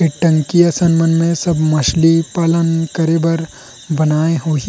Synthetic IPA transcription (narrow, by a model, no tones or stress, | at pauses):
eʈɐ̃ŋkijasɐnmənmẽsɐbmɐʃlipaːlənkɐɾebɐɾ | bɐnaːeɦoːɦ